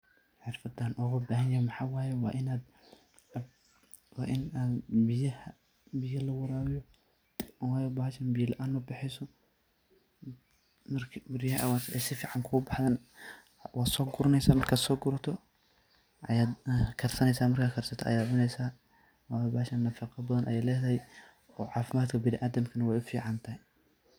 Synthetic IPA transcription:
ħɪrfɐd̪aːnʔʊɣɐbaːɦɐnjamɑħɑːwaːjɛwɑ̰ːʔɪnaːd̪ | wɑ̰ːʔɪnaːd̪bɪjɐhɐ | bɪjɐlɐwɑɾaːɾijɔ | waːjɛbaːʃɐnbɪjɐlɐʔaːnːɔbɪħɛjsɔ | mɐrkʰbɪɾɪjhʔwasɛjsɪfiːʕɑŋkʰʊʊbɑħd̪aːn | wʔaːd̪sɔːɡʊɾɐnɛjsaːmɐrkʰaːd̪sɔːɡʊɾɐt̪ʰɔ | ʔɐjaːd̪kʰɐrsɐnɛjsaːmɐrkʰaːkʰɐrsɐt̪ʰɔ̰ʔɐ̰jaːd̪ʕʊnɛjsaː | waːjbaːʃɐnːɐfɑqɑbɐðɐnʔɐ̰jɛjlɛːðɐɦɛj | ɔːʕɑːfɪmaːd̪kʰɐbɪnɪʔaːd̪ɐmkʰɐnɐwɛjʊfiːʕɑnt̪ʰɐhɛ

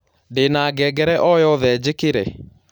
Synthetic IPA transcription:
ndenaɡɛɡɛɾɛʔɔjɔðɛd͡ʒekeɾɛ

